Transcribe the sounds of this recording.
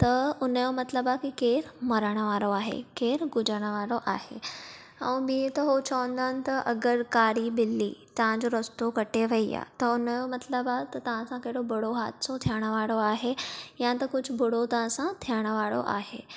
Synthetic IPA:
t̪ɐʊnəjomɐt̪ləbakikeːɾmɐɾəɽ̃əʋaːɽoaːɦḛkeːɾɡʊd͡ʑəɽ̃əʋaːɽoʔaːɦḛ | ɛ̃ːbiet̪ɐɦot͡ɕɐʋə̃nd̪aːnɪ̆t̪ɐʔɐɡəɾkaːɾibɪlːḭːt̪ɐʋ̤ãɲd͡ʑoɾɐst̪okɐʈʰeʋɐia̰ːt̪ɐʊnjomɐt̪ləbat̪ɐt̪ɐʋ̤ãsãkɐɦɪɽobɐɽoɦaːd̪sot̪ʰijəɽ̃əʋaːɽoaːɦejãt̪ɐkʊd͡ʑʱʊbɐɽot̪ɐʋ̤ãsãt̪ʰijəɽ̃əʋaːɽo̰ʔa̰ːɦḛː

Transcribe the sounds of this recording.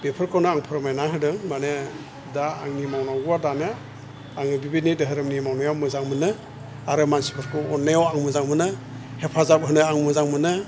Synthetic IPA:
bepʰɯɾkʰɔwnɯaŋpʰɯɾɯmajnaɦɯdɯŋmanɯ | daaŋnimawnaɡuwaɾdana | aŋɯbibinidɯɦɯɾɯmnimawnajawmɯzaŋmɯnɯ | aɾɯmansi̥pʰɯɾkʰɯwɔnːajawaŋmɯzaŋmɯnɯ | hepʰazap̚ɦɯnɯaŋmɯzaŋmɯnɯ

